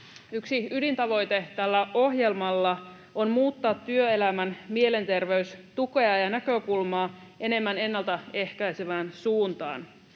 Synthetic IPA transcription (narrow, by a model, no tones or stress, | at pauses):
yksiydint̪ɑʋo̞jt̪e̞t̪ælːæʔo̞ɦje̞lmɑlːɑ | o̞nmuːt̪ːɑːt̪ːyø̞e̞læmænmie̞le̞nt̪e̞rʋe̞yst̪uko̞ɑjɑnækø̞kulmɑːe̞ne̞mːæne̞nːɑlt̪ɑe̞hkæjseʋæːnsuːnt̪ɑ̰ːn